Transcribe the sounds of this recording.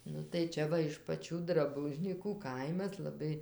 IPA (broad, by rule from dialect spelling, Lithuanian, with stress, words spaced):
ˈnʊ tɐɪ ˈt͡ʃʲɛ ʋɐ ɪʃ pɐˈt͡ʃʲuː drɐˈbʊʒʲnʲiːkuː ˈkɐɪmɐs lˠɐˈbɐɪ